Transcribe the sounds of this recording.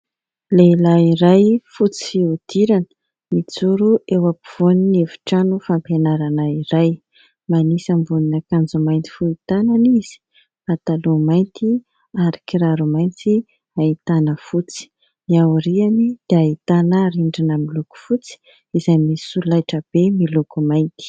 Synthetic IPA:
lelaiɾajfut͡si̥fiud̪̥iɾanə̥ | mit͡suɾuewapiv̥oninevu̥ʈ͡ʂanufampenaɾanaiɾaj | manisambuninakand͡zumajnt̪i̥fuit̪ananiz̥i̥ | at̪alumajnt̪i | aɾikiɾaɾumajnt͡si | ait̪anəfut͡si̥ | niauɾianid̪̥eait̪anəɾiɳɖ͡ʐinəmiluku̥fut͡si̥ | izajmisulajʈ͡ʂəb̥emilukumajnt̪i̥

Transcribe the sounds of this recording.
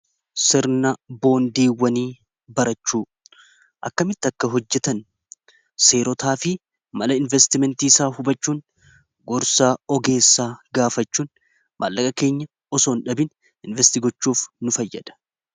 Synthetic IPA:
sɪɾnɐbo̞ːnd̪iːwːɐniː | bɐɾɐt͡ʃːuː | ʔɐkːɐmɪt̪ːɪɐkːɐɦɔd͡ʒːɛt̪ɐn | se̞ːɾɔt̪aːfɪ | mɐlɐɪnvɛst̪ɪmɛnt̪iːsaːhʊbɐt͡ʃːuːn | ɡɔɾsaːɔɡe̞ːsːaːɡaːfɐt͡ʃːuːn | mʔa̰lːɐkʼɐkeːɲːɐ | ɔsoːnᶑɐbɪn | ɪnvɛst̪iɡɔt͡ʃːuːfnʊfɐjːɐ̰d̪̥ɐ̥

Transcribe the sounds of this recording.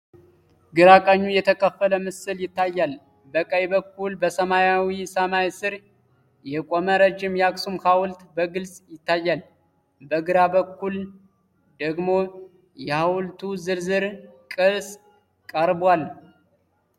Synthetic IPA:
ɡɨɾakʼəɲːujɛt̪ʰəkʰʼəfːələmɨsɨljɪt̪ːajːal | bəkʼəjbəkːulbəsəmajawisəmajsɨɾ | jɛkʼoməɾəd͡ʒːɪmjɛaksumhawʊlt̪bəɡɨlsʼjɪt̪ːajːal | bəɡɨɾabəkːul | d̪əɡmo̞ | jɛhawlt̪ʰuzɨɾzɨɾkʼɨɾs | kʼəɾbwal

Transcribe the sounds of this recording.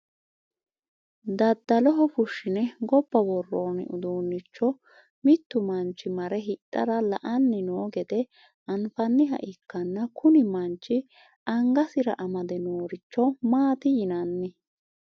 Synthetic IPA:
d̪ɐd̪ːɐlɔɦɔfʊʃːɪnɛɡɔbːɐwɔrːoːnɪ̰ʊ̰d̪uːnːɪt͡ʃːɔ | mɪt̪ːʊmɐnt͡ʃːɪmɐɾɛɦɪt̪ʼːɐɾɐlɐ̰ʔɐnːɪnoːɡɛd̪ɛ | ʔɐnfɐnːɪɦɐ̰ʔɪkːɐnːɐkʊnɪmɐnt͡ʃːɪ | ʔɐŋɡɐsɪɾɐ̰ʔɐmɐd̪ɛnoːɾɪt͡ʃːɔmaːt̪ɪjɪnɐnːɛ

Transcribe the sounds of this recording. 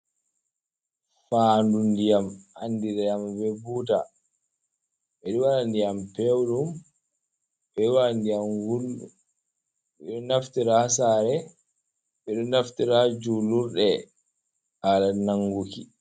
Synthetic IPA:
fandundijamandiɾajamvɛbuta̰ | ɓɛɗiwaɾandijampɛwɗum | ɓɛwandijamwulu | ɓɛɗɔnaftiɾahasaːɾɛ | ɓɛɗɔnaftiɾad͡ʒuluɾɗɛ | haɗanaŋɡukḭ

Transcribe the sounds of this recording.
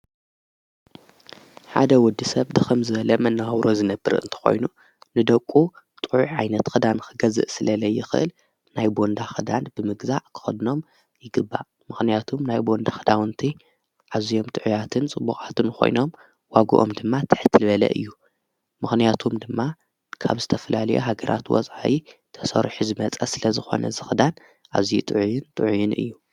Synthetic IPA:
ħa̰d̪ɐwɔd̪ːisɐβd̪ɨxɨmzɨβɐlɐmɐnːaɐwɾʔozɨnɐbːɨɾɨ̰nt̪ʰɨ̥xo̞̰jnu | nɨd̪ɐkʷʼːu | t̪ʼɨʕuʕʕajnɐt̪xɨd̪anxɨɡɐzɨ̰ʔsɨlɐlɐjːɪxɨʔɨ̰l | najbo̞nd̪axɨd̪and̪b̥ɨmɨɡzaʔkʰɨ̥xɐd̪ɨno̞m | jɪɡɨbːa̰ | mɨxnijat̪ʰumnajbo̞nd̪axɨd̪awɨnt̪ʰi | ʕaβzijo̞mt̪ʼɨʕujat̪ʰɨnt͡sʼɨbːuxʼat̪ʰɨnkʰo̞̰jno̞m | waɡṵʔomd̪ɨmːat̪ʰɨ̥ħɨt̪ʰɨlβɐlɐ̰ʔɨ̰jːu | mɨxnijat̪ʰumd̪ɨmːa | kʰa̰βzɨt̪ʰɐfɐlalɐ̰joɦaɡɐɾʔa̰t̪wɔ̰sʼʕaʔit̪ʰɐsɐ̰ɾħuzɨmɐt͡sʼɐsɨlɐzɨxo̞̰nɐ̰zɨxɨd̪an | ʔa̰βzijut̪ʼɨʕujɪnt̪ʼɨʕujunʔɨ̰jːu

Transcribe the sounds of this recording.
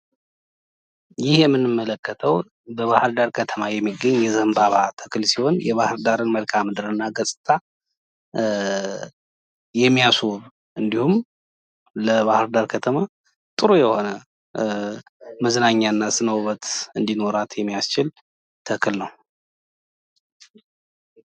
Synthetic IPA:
jɪhjɛmːɨnːɨmːələkːət̪ʰəw | bəβahɨɾd̪aɾkʰət̪ʰəmajɛmːiɡəɲːjɛzɨhɨmbaβat̪ʰə̥kɨlsiho̞njɛβahɨɾd̪aɾɨnməlkʰamɨd̪ɨɾɨnːaɡəsʼɨt̪ʼa | jɛmːijasoβ | ʔɨnd̪ihum | ləβahɨɾd̪aɾkʰət̪ʰəma | t̪ʼɨɾojɛho̞nə | məznaɲːanːasɨnəwβət̪ɨnd̪ino̞ɾat̪jɛmːijast͡ʃɪl | t̪ʰəkʰɨlnəw

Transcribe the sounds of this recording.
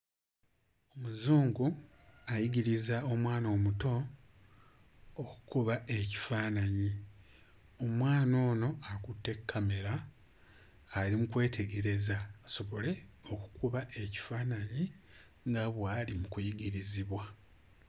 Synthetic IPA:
omuzuːŋɡu | ajiɟiɾizao̞mwaːno̞ːmuto̞ | ku̥kuβaʔe̞ci̥faːnaɲi | o̞mwaːno̞ːno̞akutːe̞kʰːame̞ɾa | limukwe̞ːtʰe̞ɡe̞ɾe̞zaːso̞βo̞le̞o̞ku̥kuβaʔe̞ci̥faːnaɲi | ŋɡaβwaːlimukujiɡiɾiziβwa

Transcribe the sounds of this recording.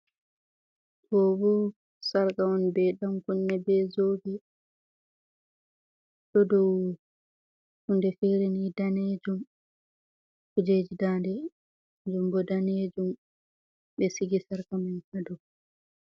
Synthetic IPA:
tɔbɔ | saɾkaɔnibɛɗamkunːɛbɛzoːbɛ | ɗɔdɔw | hundɛfiɾinidaned͡ʒum | kud͡ʒeːd͡ʒidaːndɛ | d͡ʒumbɔdaneːd͡ʒum | ɓɛsiɡisaɾkamajkadɔ

